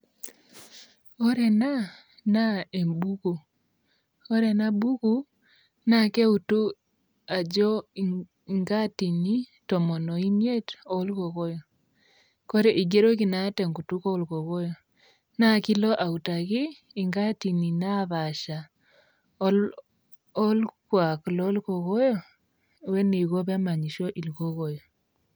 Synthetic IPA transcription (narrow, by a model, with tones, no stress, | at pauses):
o˦ɾe˨na˦ | na˦e˨mbu˦ɣu˨ | o˦ɾe˨na˦bu˦ɣu˦ | na˦ke˦u˨tu˦ | a˨d͡ʒɔ˦ | ŋɡa˦ti˨ni˦ | to˨mo˨nɔ˨i˦nje˦to˦lɣo˨ɣo˦jɔ˨ | ko˦ɾe˨ʔi˨ɡe˦ɾo˦ki˨na˦tɛ˨ŋɡu˨tu˦ko˦u˦lko˨ɣo˦jɔ˨ | na˦ki˦lɔ˦ʔa˨u˨ta˨ɣiː˦ | ŋɡa˦ti˨ni˨na˦βa˨ʃa˨˦ | ɔ˦lkwa˨klɔ˦lko˨ɣɔ˦jɔ˦ | wɛ˦ne˨ɣo˦βɛ˦ma˨ɲi˨ʃo˦ʔi˨lko˦ɣo˨jo˨